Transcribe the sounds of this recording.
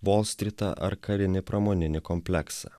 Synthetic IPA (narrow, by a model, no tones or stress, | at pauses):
ʋoːlˠsʲt̪ʲɾʲɪt̪ɐ̰ʔɐ̰ɾkʰɐɾʲɪnʲɪpɾɐmonʲɪnʲɪkɔmʲpʲlʲɛksɐ̰